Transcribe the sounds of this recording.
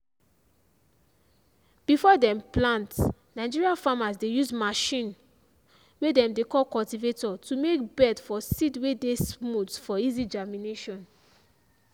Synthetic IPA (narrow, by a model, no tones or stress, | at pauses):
b̥ifɔdɛ̃mplãnt | naɪd͡ʒiɹiafamazdejuzmaʃĩn | wedɛ̃mdekɔlkɔltivetɔtumekbɛdfɔsitwedesmutfɔizid͡ʒamineʃɔ̃n